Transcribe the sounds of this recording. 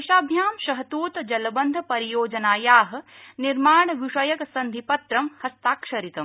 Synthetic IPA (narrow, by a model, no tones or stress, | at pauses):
iʃaːbʱjaːmʃɐɦɐt̪uːt̪d͡ʒɐlɐbɐnd̪ʱɐpɐɾijoːd͡ʒɐnaːjaːɦɐ̆niɾmaːɳ̃ʋiʃɐjɐksɐ̃nd̪ʱipɐt̪ɾɐmhɐst̪aːkʃɐɾit̪ɐm